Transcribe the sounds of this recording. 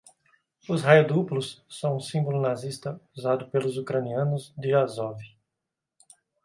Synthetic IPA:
ʊzɦajʊd̪uplʊsːɐ̃w̃ũsĩmbolʊnazist̪ɐuzad̪ʊpelʊzukɾɐniɐ̃nʊzd̪ɪazɔvi

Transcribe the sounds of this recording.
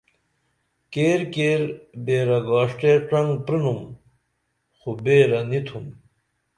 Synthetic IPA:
keːɾkeːɾbeːɾɐɡaːʂʈeːʈɐŋɡpɾinum | xubeːɾɐnit̪ʰum

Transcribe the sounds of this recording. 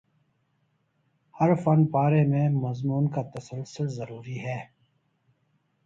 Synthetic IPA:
hɐɾfɐnpaːɾemẽmɐzmuːnkat̪ɐsəlsɪlzɐɾuːɾiɦɛː

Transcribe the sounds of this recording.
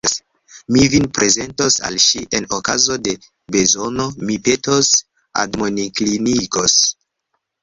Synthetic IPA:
s | mivinpɾʔe̞ze̞ntosa̰lʃiʔe̞nokazo̞de̞ | be̞zo̞no̞mipe̞tos | a̰dmoniklinikos

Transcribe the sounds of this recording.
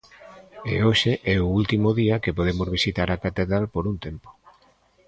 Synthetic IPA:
ḛoʃeʔɛoult̪imoðiɐkepoð̞emozβisit̪aɾakat̪eðɾalpoɾunt̪empo̥

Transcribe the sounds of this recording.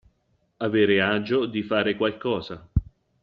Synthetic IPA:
aveːɾeaːd͡ʒod̪ifaːɾekwalkɔːza

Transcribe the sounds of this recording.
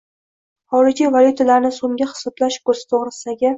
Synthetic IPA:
χɒɾɪɾd͡ʒʲivalʲjut̪ʰalaɾnɪsomɡʲaχɨ̥sɒblaʃkozt̪ʰoʁɾɪsɪd̪aɡʲa

